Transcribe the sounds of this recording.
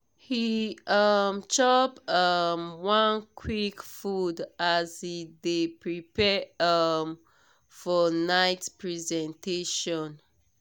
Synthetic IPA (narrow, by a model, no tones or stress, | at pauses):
hiʌmt͡ʃɔpʌmwãnkʰwikfudazidepɹipɛʌm | fɔnaɪtpɹizɛ̃nteʃɔ̃n